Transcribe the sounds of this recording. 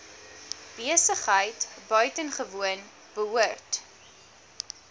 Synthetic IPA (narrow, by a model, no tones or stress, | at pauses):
b̥iəsəχɦəjtbœɥtənχəvuən | b̥əɦuərt